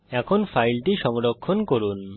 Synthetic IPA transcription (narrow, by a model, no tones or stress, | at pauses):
ɛkʰonfʰajlʈiʃɔŋɾokʰːonkoɾun